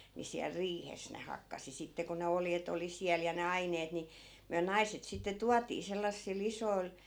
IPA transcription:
ni siæl riːhes ne hɑkːɑsi sitːe ko ne oljet oli siæl jɑ ne ɑineːt ni myæ nɑiset sitːe tuɑtiː selːɑsːil isoi̯l

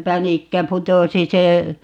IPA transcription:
pænikːæ putosi se

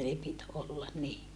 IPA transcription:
ne pit olːɑn ni

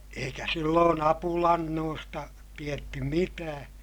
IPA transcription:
eikæ silːoːn ɑpulɑnːoːstɑ tietːy mitæː

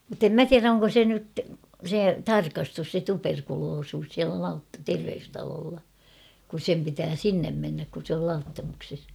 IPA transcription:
mŭtːem mæ tiæræ oŋko se nyt se tɑrkɑstus se tuperkuloːsuːs siælæ lɑut terʋeystɑloːlːɑ kus sem pitæː sinːem menːæk kun̞ sĕ ol lɑutːɑmukses

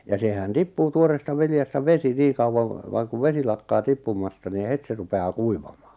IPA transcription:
jɑ sehæn tipːuː tuoreːstɑ ʋiljɑstɑ ʋesi niːŋ̆ kɑuwɑŋ ʋɑːŋ kuʋ ʋesi lɑkːɑː tipːumˑɑstɑ ni het se rupeɑː kuiʋɑm̥ɑ̥ː

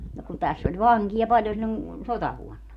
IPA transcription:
no kun tæsː olʲ ʋɑŋkijɑ pɑlʲjon silʲːon sotɑʋuonːɑ

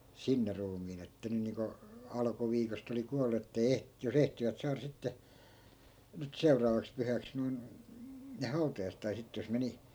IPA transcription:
sinːe ruːmiːn etːæ ny niːŋko ɑlɑ̆kuʋiːkost oli kuɑlˑu etːei eh jos ehtiʋæt sɑːrɑ sitːe nyt seurɑːʋɑks pyhæks noi̯n ne hɑutɑjɑiset̆ tɑi sitːe jos meni

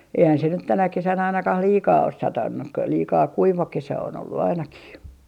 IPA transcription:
eihæn se nyt tænæ kesæn ɑinɑkɑh liːkɑː os sɑtɑnːu k liːkɑː kuiʋɑ kesæ on olːu ɑinɑkih

